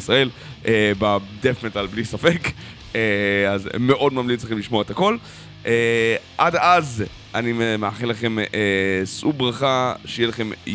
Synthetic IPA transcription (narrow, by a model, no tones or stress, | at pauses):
sʁae̞l | ebad̪efnetalblisafe̞k | eazmeʔo̞dmamlitt͡sleximliʃmo̞et̪ako̞l | ʔeʔadaz | ʔanimeaχelaχe̞mesubʁaχaʃejelaχe̞m